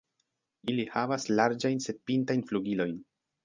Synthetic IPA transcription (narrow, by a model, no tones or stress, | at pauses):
ilihavaslaɾd͡ʒajnse̞d̚pintajnfluɡilo̞jn